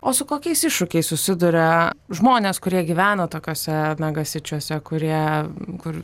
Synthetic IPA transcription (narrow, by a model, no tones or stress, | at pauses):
oːsʊkoːkʲɛɪsɪʃʃʊkʲɛɪssʊsʲɪd̪ʊɾʲɛʒmoːnʲeːskʊɾʲiɛɡʲiʋʲæːnoːt̪oːkʲoːsʲɛnɐɡɐsʲɪt͡ʃʲuɔsʲɛkʊɾʲiɛkʊr